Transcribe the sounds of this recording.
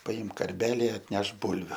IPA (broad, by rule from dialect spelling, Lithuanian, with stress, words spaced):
pɐˈɪmk kɐrʲˈbʲæːlʲɪ ɐtʲˈnʲɛʃk ˈbʊlʲʋʲʊ